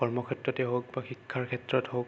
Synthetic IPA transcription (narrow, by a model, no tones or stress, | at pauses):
ɔɹmɔkʰɛtɹɔtɛɦok̚baxikʰːaɹkʰɛtɹɔtɦok